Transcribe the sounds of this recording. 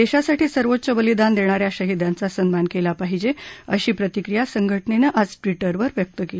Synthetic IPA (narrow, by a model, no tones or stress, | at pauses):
d̪eɕasaʈiːsəɾʋot̪̚ːt͡ɕəbəlid̪and̪eɽ̃aɾjaɕəɦid̪jant͡sasənmankelapaɦid͡ʑeəɕiːpɾət̪ikɾijasəŋɡʱəʈnenəʔad͡zʈʋiʈəɾʋəɾʋjək̚t̪əkel